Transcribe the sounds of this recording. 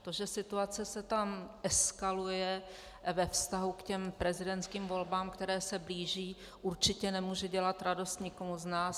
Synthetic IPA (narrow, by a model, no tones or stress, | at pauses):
t̪o̞ʒɛsɪt̪uat͡sɛsɛt̪amʔɛskalujɛ | vɛfst̪aɦukcɛmpɾɛzɪdɛnt̪skiːmvo̞lbaːmkt̪ɛɾɛːsɛbliːʒiː | ʔuɾt͡ʃɪcɛnɛmuːʒɛɟɛlat̪ɾado̞st̪ɲɪkomuznaːs